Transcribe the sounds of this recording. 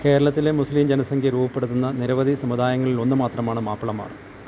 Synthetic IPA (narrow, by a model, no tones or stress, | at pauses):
ke̞ːɾɐɭɐt̪ːilemuslimd͡ʑenɐsɐŋɡʰʱʲjɐɾuːbɐpːe̞ɽut̪ːunːɐniɾɐʋɐd̪ʱisɐmud̪aːjɐŋːɐɭilo̞nːɨmaːt̪rɐmaːɳɨmaːpːɐɭɐmːa̰ːr